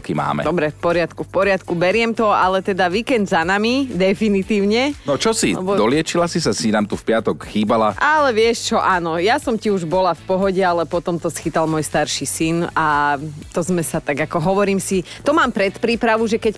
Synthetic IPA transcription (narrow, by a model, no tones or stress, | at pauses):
kḭma̰ːmɛ̰d̪ɔbɾɛfpɔɾɪat̪kufpɔɾɪat̪kubɛɾɪɛmt̪ɔalɛt̪ɛd̪aʋiːkɛnd̪zanamid̪ɛfinit̪iːʊɲɛnɔt͡ʃɔsilɛ̰bɔd̪ɔlɪɛt͡ʃilasisasinaːmt̪ufpɪat̪ɔkxiːbalaʔalɛʋɪɛʃt͡ʃɔʔaːnɔjasɔmciuʒbɔlafpɔɦɔɟɛalɛpɔt̪ɔmt̪ɔsxit̪almʊɔjst̪aɾʃisinat̪ɔzmɛsat̪aɡakɔɦɔʋɔɾiːmsit̪ɔmaːmpɾɛt̪pɾiːpɾaʋuʒɛkɛc